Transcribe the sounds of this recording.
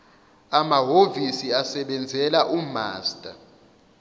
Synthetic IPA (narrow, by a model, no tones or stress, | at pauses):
amaɦovisiasɛɓɛnd͡zʱɛlaʔuma̰ːstʼa